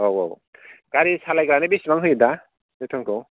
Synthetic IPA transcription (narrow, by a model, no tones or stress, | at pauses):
owo̰w | ɡ̥aɾisalajɡɾanebismaŋɦɯjda | dɯtʰɔŋkʰɯw